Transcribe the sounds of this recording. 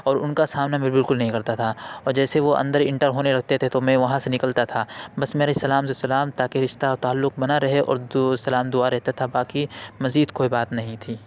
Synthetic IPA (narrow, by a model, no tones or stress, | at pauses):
ɔːɾʊnkasaːmnabɪbɪlkʊlnɐɦĩkɐɾt̪at̪ʰaɔːɾd͡ʒɛːseʋoɐ̰̃nd̪əɾɪ̃ɳʈəɾɦoːnelɐɡ̚ʱt̪et̪ʰet̪omɛ̃ʋɐɦãsenɪkəlt̪at̪ʰaːbɐsmeːɾesɐlaːmsesɐlaːmt̪aːkeɾɪʃt̪at̪aːlːʊk̚bɐnaɾɐɦeʔɔ̰ːɾsɐlaːmd̪ʊaɾɛɦt̪at̪ʰabaːkimɐziːd̪koːibaːt̪nɐɦĩt̪ʰiː